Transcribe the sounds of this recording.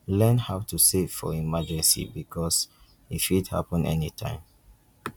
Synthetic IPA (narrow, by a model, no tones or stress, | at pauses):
lɛ̃nhaʊtusevfɔ̰imad͡ʒɛstḭbikʰɔs | ifidha̰pə̃nʔɛ̰nitʰã̰ɪ̃m